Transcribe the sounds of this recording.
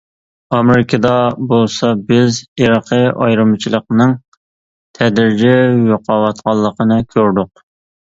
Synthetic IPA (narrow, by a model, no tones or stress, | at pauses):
ɑmɪɾɪkʲʰɑd̪ɑbolˠsɑbɪziɾɑqʰəɑjɾɨmt͡ʃʰilˠəqnɨŋ | t̪ʰɛd̪ɾɪd͡ʒɛjoqʰɑwɑt̪qɑlˠːəqʰənɨkʲʰøɾd̪ʊq̚